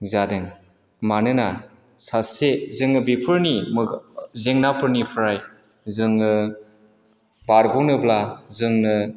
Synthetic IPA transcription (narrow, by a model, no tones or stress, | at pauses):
zadɯŋ | manɯna | sasezɯŋɯbipʰɯɾnimzeŋnapʰɯɾnipʰɯɾaj | zɯŋɯ | baɾɡɔwnɯblazɯŋnɯ